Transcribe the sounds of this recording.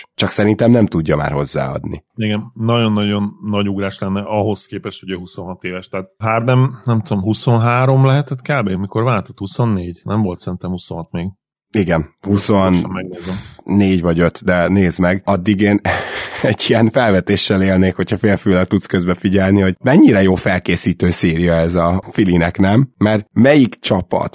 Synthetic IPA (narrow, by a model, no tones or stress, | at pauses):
t͡ʃɒksɛɾint̪ɛmnɛmt̪uɟːɒma̰ːrɦo̞zːa̰ːɒ̰d̪nḭiɡɛnnɒɟo̞nːɒɟo̞nːɒɟuɡɾaːʃlɛnːɛʔɒɦo̞skeːpɛʃhoɟøːɦuso̞nɦɒt̪eːvɛʃt̪ɛːt̪̚ɦaːrnɛmnɛmt̪ud̪omɦuso̞nɦaːɾo̞mlɛɦɛt̪ɛt̪kaːbeːmiko̞ɾvaːlt̪o̥t̪husonːeːɟnɛmvo̞lt̪sɛɾint̪ɛmhusonɦɒt̪meːɡ | iɡɛnhusonmɛɡnezɛːeːɟvɒɟø̞t̪d̪ɛneːzmɛɡɒd̪ːiɡeːnɛɟːiɛnfɛlvɛt̪eːʃːɛleːlneːkho̞chɒfeːlfyːlɛk̚t̪ut̪skøzbɛfiɟɛlniho̞ɟmɛɲːiɾɛjoːfɛlkeːsiːt̪øːseːɾijɒɛzɒfilinɛknɛmːɛrmɛjikt͡ʃɒpɒ̰t̪